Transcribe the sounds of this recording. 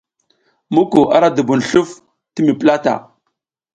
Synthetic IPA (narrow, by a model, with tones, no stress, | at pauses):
mu˦ku˨ʔa˦ɾa˦du˨bu˨n˨ɬu˦f | ti˦mi˨pla˦ta̰˨